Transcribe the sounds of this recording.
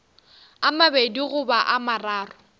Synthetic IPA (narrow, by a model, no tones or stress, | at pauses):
amabediɣʊbaʔamaraːrʊ